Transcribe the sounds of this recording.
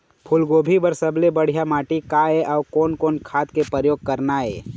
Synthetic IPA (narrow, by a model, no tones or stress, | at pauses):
pʰʊlɡoːbʱibəɾsɐblebəɽ̤ijamaːʈikaeʔɔːkɔːnkoːnkʰaːt̪kepəɾjoːɡ̚kɐɾnaɛː